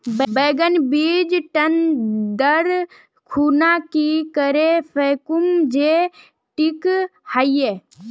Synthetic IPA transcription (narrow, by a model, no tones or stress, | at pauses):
bbeːɡənbiːd͡ʒʈənd̪əɾ | kʰuːnakikəɾepʰeːkumd͡ʒe | ʈikhajje